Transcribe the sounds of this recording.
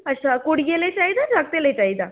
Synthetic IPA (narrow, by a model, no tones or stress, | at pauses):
əɕakuɽɡelet͡ɕaɦid̪ad͡zaɡ̚t̪elet͡ɕaɦid̪a